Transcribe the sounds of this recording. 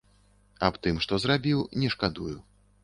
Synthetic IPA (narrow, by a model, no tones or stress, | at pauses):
apt̪ɨmʂt̪ɔzɾabʲiwnʲɛʂkad̪uju